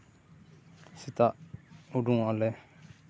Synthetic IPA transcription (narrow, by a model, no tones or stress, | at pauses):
sit̪aʔuduŋalɛ